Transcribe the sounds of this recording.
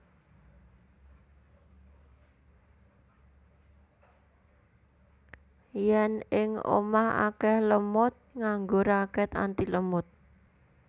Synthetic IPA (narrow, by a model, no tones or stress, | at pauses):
jɛnɪŋo̰maha̰kɛhləmʊt̪̚ŋaŋɡoɾakɛt̪a̰nt̪iləmʊt̪̚